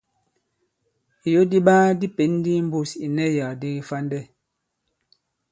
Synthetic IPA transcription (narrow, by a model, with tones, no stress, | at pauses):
i˨jo˦di˦ɓaː˦di˦pe˨˦n˦di˦m̩˦bo˦˨si˨nɛ˦ja˨di˦ɣi˦fa˦ndɛ˦˨